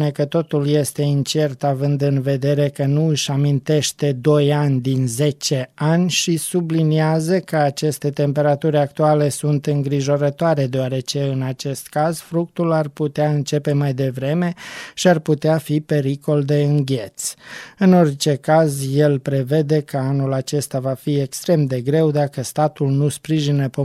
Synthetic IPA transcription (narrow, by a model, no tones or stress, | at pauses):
nekət̪o̞t̪ulje̞st̪e̞int͡ʃe̞rt̪avɨnd̪ɨnve̞d̪e̞ɾe̞kənuɨʃʲamint̪e̞ʃt̪e̞d̪o̞janʲd̪inze̞t͡ʃe̞anʲʃisubliniazəkəat͡ʃe̞st̪e̞t̪e̞mpe̞ɾat̪uɾʲak̚t̪uale̞sunt̪ɨŋɡɾiʒo̞ɾət̪oaɾe̞d̪eoaɾe̞t͡ʃe̞ɨnat͡ʃe̞st̪kazfɾuk̚t̪ularput̪eaɨnt͡ʃe̞pe̞majd̪e̞vɾe̞me̞ʃiarput̪eafipe̞ɾiko̞ld̪e̞ɨŋɡʲe̞t̪sɨno̞rʲt͡ʃe̞kazje̞lpɾe̞ve̞d̪e̞kəanulat͡ʃe̞st̪avafiekst̪ɾe̞md̪e̞ɡɾe̞wd̪akəst̪at̪ulnuspɾiʒinəpo